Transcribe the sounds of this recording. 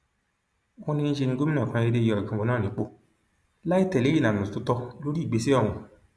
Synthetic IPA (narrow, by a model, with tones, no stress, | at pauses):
wɔ̃˧nĩ˧nĩ˦ʃe˧nĩ˧˦ɡo˦mi˦ã˦˨kã˨˧˦e˧de˦˧jɔ˧˨i˨kã˧wɔ̃˧nãː˦˨ĩ˨˦k͡po˦˨ | la˦i˦˨tɛ˨le˨˦i˦˨nã˨nũ˨tu˨˦tɔ˧lo˦ɾi˦˨ɡ͡be˨˦si˦ɔ̃˦˨ũ˧